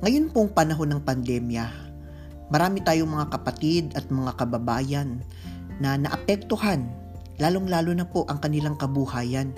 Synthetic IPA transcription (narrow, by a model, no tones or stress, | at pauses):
ŋɐjo̞npoŋpɐnɐɦo̞nɐŋpɐnd̪ɛmjɐ | mɐɾaːmɪt̪aːjoŋmɐŋakɐpɐt̪id̪ɐt̪̚mɐŋakɐbɐbaːjɐnː | ɐnɐʔɐpɛk̚t̪ohan | laːloŋlaːlonɐpo̞ʔɐŋkɐnɪlaŋkɐbuhaːjɐn